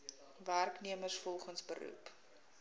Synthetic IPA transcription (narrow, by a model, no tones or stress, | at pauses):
værkniəmərsfɔlˠχənsbə̰ɾṵp